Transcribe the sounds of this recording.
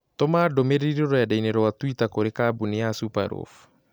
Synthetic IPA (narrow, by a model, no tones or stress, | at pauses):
tɔmaːdomeɾeɾoɾɔɛdaineɾɔwatwitakoɾekaːbuniasupa̰ɾo̰f